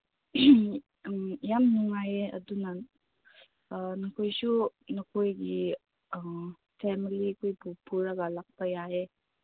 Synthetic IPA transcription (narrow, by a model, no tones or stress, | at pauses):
jamnuŋajeɐ̰dunɐ | nɐkʰojsunɐkʰojɡi | pʰemilikʰojpupʰuɾɐɡɐlak̚pɐjae